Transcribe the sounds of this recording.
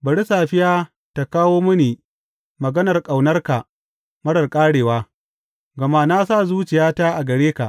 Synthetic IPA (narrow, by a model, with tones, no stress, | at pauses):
bɐ˨ɽi˦saː˨ɸɪ˦jaː˦ | ta˨kaː˦woː˦mʊ˦niː˨ | mɐ˨ɡɐ˦nɐ˨rkʼa˨wnɐ˦rka˨ | mɐ˦ɽɐ˨rkʼaː˦ɽeː˨waː˦ | ɡɐ˨ma˦na˦sa˦˨zuː˦t͡ʃɪ˨jaː˦taː˦ʔa˨ɡɐ˨ɽeː˦ka˨ʔ